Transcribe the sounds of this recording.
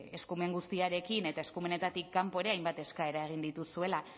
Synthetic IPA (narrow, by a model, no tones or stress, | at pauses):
e̞skume̞ŋɡust̪iaɾe̞kine̞t̪ae̞skume̞ne̞t̪at̪ikːampo̞eɾe̞ajmbat̪e̞skae̞ɾae̞ɣ̞ind̪it̪usue̞la